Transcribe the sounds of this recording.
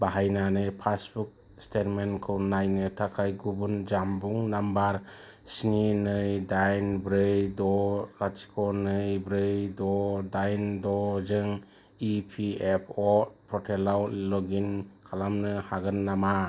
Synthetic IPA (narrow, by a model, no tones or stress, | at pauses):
baɦajnanɯjpʰasbuk̚ | stet̚menkʰɯwnajnɯtʰakʰajɡubund͡ʒambuŋnambaɾ | sininɯjdajnbɾɯjdɔlasi̥kʰɔnɯjbɾɯjdɔdajndɔzɯŋ | ipʰiepʰɔt̚pʰɔtʰelawlɔɡinkʰalamnɯhaɡɯnːama